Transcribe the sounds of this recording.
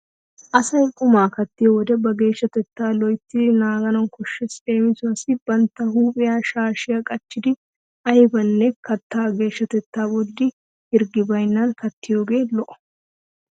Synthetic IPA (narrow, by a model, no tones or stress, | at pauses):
ʔɐsɐjkʼʊmaːkɐt̪ːɪjowɔd̪ɛbɐɡe̞ːʃːɐt̪ɛt̪ːaːlɔjt̪ːɪnaːɡɐnɔŋkɔʃːɛseːmɪsʊɐsɪbɐnt̪ːɐɦuːpʼɪjaːʃaːʃɪjɐkʼɐt͡ʃːɪd̪ɪ | ʔɐjbɐnːɛkɐt̪ːaːɡe̞ːʃːɐt̪ɛt̪ːaːbɔd̪ːɪ | hɪɾɡɪbɐjnːankɐt̪ːɪjoːɡe̞ːlɔʔɔ̥